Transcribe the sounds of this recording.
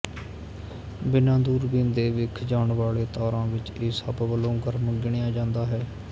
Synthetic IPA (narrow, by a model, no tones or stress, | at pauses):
bɪnãːd̪uːɾbĩːnd̪eːʋɪkʰd͡ʒaːɳʋaːɭeːt̪ɔːɾãːʋɪt͡ʃeːsəbʋəlõːɡəɾməɡɪɳeːãːd͡ʒãːnd̪aːɦɛː